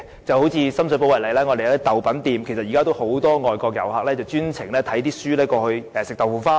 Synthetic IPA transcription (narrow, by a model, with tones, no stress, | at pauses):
t͡sɐ˨who˨˥wt͡sʰiː˧sɐ˥ms̬ɵ˧po˧wɐ˨˩le˨˩jlɛː˥ŋɔ˨˧d̪e˨jɐ˧t̪iː˥t̪ɐ˨˩wpɐ˨˥nt̪iː˨mkʰjsɐ˨t̚ji˨kaː˥t̪o˥who˨˥wt̪ɔː˥ŋɔː˨jkɔː˧k̚jɐ̰˨˩wɦaː˨k̚lɛː˥t͡sɐ˨wt͡ʃyː˥nt͡sʰɪ˨˩ŋlɛː˥t̪ʰɐ˨˥jt̪iː˥syː˥lɛː˥kɔː˧hɵ˧ɥɛ˨˧sɪ˨k̚t̪ɐ˨˩wfuː˨˩nfaː˥